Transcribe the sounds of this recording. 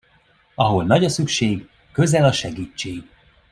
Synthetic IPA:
ɒɦo̞lnɒɟɒsykʃeːɡ | kø̞zɛlɒʃɛɡiːt͡ʃːeːɡ

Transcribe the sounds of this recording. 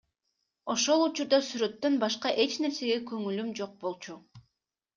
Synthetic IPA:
o̞ʃo̞lˠut͡ʃuɾd̪ɑsyɾø̞t̪ːø̞nbɑʃqɑʔe̞t͡ʃne̞ɾse̞ɡe̞køŋylymd͡ʒo̞q̚bo̞lˠt͡ʃu

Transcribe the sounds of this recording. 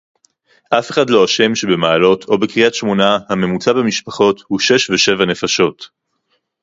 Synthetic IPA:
ʔafe̞χadlo̞aʃe̞mʃebe̞maːlo̞tʰo̞bekʁiatʃmo̞nahame̞mut͡sabemiʃpaχo̞thuʃe̞ʃveʃe̞vane̞faʃo̞t

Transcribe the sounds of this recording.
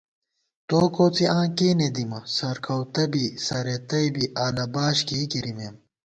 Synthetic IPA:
t̪oːkoːt͡siãːkeːned̪imɐsɐɾkʰɐwt̪ɐbisɐɾet̪ɐjbiʔaːlɐbaːɕkeːkiɾimeːm

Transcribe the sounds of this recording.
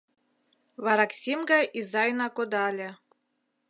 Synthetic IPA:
βɑɾɑksʲimɡɑjʔizɑjnɑkod̪ɑlʲĕ

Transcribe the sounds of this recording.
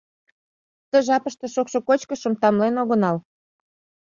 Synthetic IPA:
t̪ə̆ʒɑpəʃt̪ɤ̆ʃokʃŏkot͡ɕkə̆ʃə̆mt̪ɑmlenoɣə̆nɑl

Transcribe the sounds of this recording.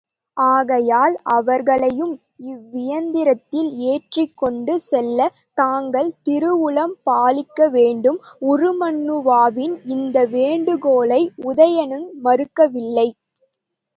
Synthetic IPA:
ʔaːɣɐjaːlʔɐʋɐɾɣɐɭɐjɯm | ɪʋːɪjɐnd̪ɪɾɐt̪ːɪleːʈrɪkːɔɳɖɯsɛlːɐ | t̪aːŋɡɐɭt̪ɪɾɯʋʊɭɐmpaːlɪkːɐʋeːɳɖɯmʊɾɯmɐnːɯʋaːʋɪnɪnd̪ɐʋeːɳɖɯɣoːɭɐɪʊðɐjɐnɯnmɐɾɯkːɐʋɪlːɐɪ

